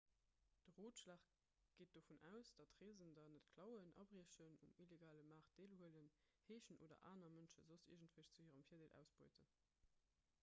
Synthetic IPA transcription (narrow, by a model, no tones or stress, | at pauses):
d̥əʁoːtʃlaːχ | ɡ̥eːt̚d̥ofunæʊsd̥ɑtʁeːzəndɑnətkʰlɑʊənʔɑ̰bʁiəɕənumileɡaːləmaːʁt̚d̥eːlhuələn | heːɕənʔo̰ːdɐ̰ʔa̰ːnɐmənʃəzosḭɐʒəntvəɕt͡suhiːʁɑmfiːɐdeːlʔæ̰ʊsb̥oɪtʰən